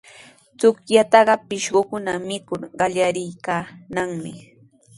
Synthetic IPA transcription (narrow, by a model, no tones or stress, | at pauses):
t͡sʊkjat̪ɑɢɑpɪʃɢokʊnamɪkʊɾɢɑʎaɾɪjkaːnaŋmɪ